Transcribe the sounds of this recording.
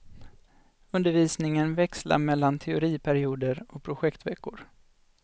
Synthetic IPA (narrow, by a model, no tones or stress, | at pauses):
ɵnd̪əɾviːsnɪŋənvɛksla̰mɛlːant̪ʰɛʊɾiːpʰæɾɪuːd̪əɾɔk̚pʰɾʊɧɛkt̪vɛkːʊɾ